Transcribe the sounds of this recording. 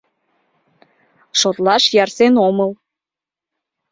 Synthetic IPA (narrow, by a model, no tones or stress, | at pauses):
ʃot̪lɑʃjɑrsenoməl